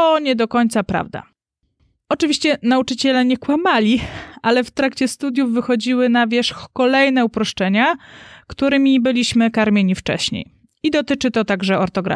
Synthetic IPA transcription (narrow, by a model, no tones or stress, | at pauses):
ɔɲɛd̪ɔkɔɲt̪sapɾa̰vd̪a̰ | ɔt͡ʂɘvʲiɕt͡ɕɛnaut͡ʂɘt͡ɕɛlɛɲɛkwamalʲialɛft̪ɾakt͡ɕɛst̪ud̪ʲjuvvːɘxɔd͡ʑiwɘnavʲjɛʂxkɔlɛjn̪ɛupɾɔʂt͡ʂɛɲakt̪uɾɘmʲibɘlʲiɕmɘkaɾmʲeɲift͡ʂɛ̰ɕɲḛj | id̪ɔt̪ɘt͡ʂɘt̪ɔt̪aɡʐɛɔɾt̪ɔɡɾa̰